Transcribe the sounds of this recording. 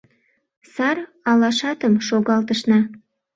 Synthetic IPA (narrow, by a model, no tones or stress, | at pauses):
sɑr | ɑlɑʃɑt̪əmʃoɣɑlt̪əʃnɑ